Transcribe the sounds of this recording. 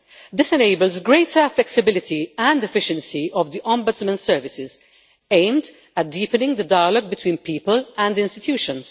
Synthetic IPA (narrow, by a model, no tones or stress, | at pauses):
d̪ɪsɛneɪbəlzɡɹeɪtʰəflɛksɪbɪlɪt̪ʰiæ̃ndɛfɪʃə̃nsiɔvd̪iʔɔ̃mbʊtsmə̃nsɛːɹvɪsɪz | ẽɪ̃md̪ | æt̚d̪iːpənɪ̃ŋd̪ədaɪəlɔɡ̚bɪt̪wĩːnpiːpəlæ̃ndɪ̃nst̪ɪt̪ʰjuːʃə̃ns